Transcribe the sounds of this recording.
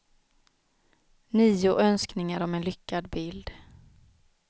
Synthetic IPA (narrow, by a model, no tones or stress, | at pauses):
niːʊʔœnsknɪŋaɾɔmɛnlʏkːad̪bɪld̪